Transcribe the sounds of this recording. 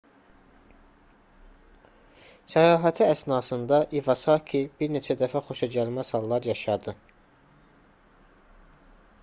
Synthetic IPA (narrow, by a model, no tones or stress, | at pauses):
sæjɑːɦæt̪ʰiæsnɑːsɯnd̪ɑʔivɑsɑkʰibiɾne̞t͡ʃʰæd̪æfæχo̞ʃɑd͡ʒɑlmæz̥hɑlˠːɑɾjɑʃɑd̪ɯ